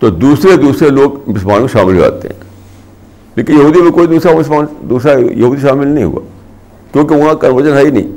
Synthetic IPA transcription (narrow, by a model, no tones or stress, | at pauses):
t̪oːd̪uːsɾed̪uːsɾeloːɡmɪsmaːnmẽʃaːmɪlɦo̰a̰ːt̪ḛɦɛ̰̃ː | leːkɪ̃njɐɦuːd̪imẽkoːid̪uːsɾamɪsmaːnd̪uːsɾajɐɦuːd̪iʃaːmɪlnɐɦḭ̃ɦʊ̰a̰ː | kjõːk̬eʊnãkənʋəɾd͡ʒənɦɛinəḭ̃ː